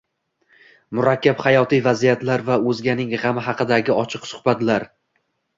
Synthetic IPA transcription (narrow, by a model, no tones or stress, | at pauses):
mʊɾakʲːaphajɒt̪ʰijvazijat̪laɾvaɵzɡʲanɪŋʁɑmɪɦɑqɨd̪aɡʲɪɒt͡ʃʰɨqsʊ̥hbat̪laɾ